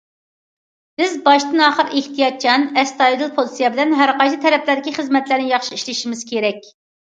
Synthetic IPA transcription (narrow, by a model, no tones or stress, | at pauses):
bɪzbɑʃt̪ɨnɑːχəɾeht̪ʰijɑt̪̚t͡ʃʰɑnɛst̪ɑid̪ɨlˠpʰozˠitsijɛbɪlɛnɦæɾqɑnt͡ʃʰit̪ʰɛɾɛplæɾd̪ɪkʲiχəzmɛt̪læɾnɪjɑχʃiiʃlɪʃimɪz̥kʲʰeɾɛkʲ